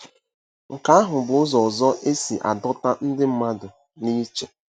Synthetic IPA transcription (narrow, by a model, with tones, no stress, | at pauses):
ŋ̩˨ka˦a˦ɦʊ˨bʊ˨ʊ˦zɔ˨ɔ˨zɔ˦ʔe˦si˨ʔa̰˨dɔ˦ta˦n̩˦dɪ˦m̩˦ma˦dʊ˨ | ni˦t͡ʃe˨